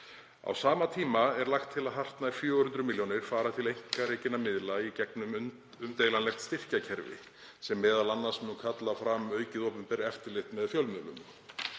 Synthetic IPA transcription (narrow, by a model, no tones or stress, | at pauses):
a̰wsaːmat̪ʰiːmaɛɾlaxt̪ʰːɪlaðɦar̥t̪naifjœːhʏnt̪ɾʏmiljonɪɾ̥faːɾat̪ʰɪlejŋ̥kaɾeːjcɪnamɪðlaicɛknʏm | ʏmt̪eːjlanlɛxt̪st̪ɪr̥cacʰɛɾvɪ̰ | sɛmːɛːðalanːasnnukʰat̪lafɾamœːɥcɪðopʏmpɛɾɛft̪ɪɾlɪxt̪mɛðfjœlmʏðlʏm